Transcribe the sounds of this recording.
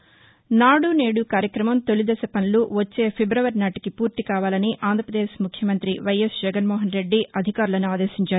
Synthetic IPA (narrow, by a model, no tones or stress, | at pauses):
naːɽune̞ːɽukaːɾjɐkɾɐmɐmt̪o̞lid̪ɐsɐpɐnluʋɐt͡ʃːe̞ːpʰebɾɐʋɐɾnaːʈi̥kipuːɾt̪ikaːʋaːlɐniʔaːnd̪ɾɐpɾɐd̪eːʃmukʰjɐmɐnt̪ɾiʋɐjesd͡ʒɛɡɐnmɔːɦɐnɾe̞ɖːiʔɐd̪ʱikaːɾulɐnuaːd̪e̞ːʃiɲt͡ʃaːɾu